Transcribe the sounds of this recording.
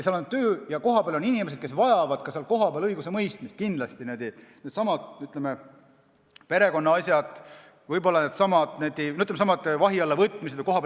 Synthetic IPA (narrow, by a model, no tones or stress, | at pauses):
seɑlɑnud̪t̪t̪ːø̞ːjɑko̞ɦɑpeæɑlo̞ninimesed̥̪̚kesvɑjɑvɑd̪̥kɑseɑlko̞ɦɑpeæɑlɤjɡusemɤjst̪mist̪̚kind̪lɑst̪ined̪̥ined̪sɑmɑd̪̥nyt̪ːˑleme | pe̞ɾe̞ko̞nːɑɑsʲjɑd̪̥ | vɤjb̥o̞lːɑned̪̥sɑmɑd̪ned̪inoyt̪ːlemesɑmɑd̪̥vɑɦiɑlːevɤt̪ˑːmis̬e̥jko̞ɦɑp